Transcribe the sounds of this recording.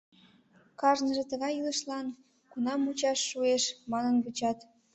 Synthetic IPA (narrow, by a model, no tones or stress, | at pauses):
kɑʒnəʒĕt̪ə̆ɣɑjilə̆ʃlɑn | kunɑmut͡ɕɑʃːueʃmɑnənβut͡ɕɑt̪